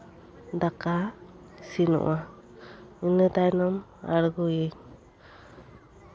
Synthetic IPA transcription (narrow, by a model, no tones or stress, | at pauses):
d̪aka | sinɔ̰ʔa | inɯt̪ajnɔm | a̰ɾɡuje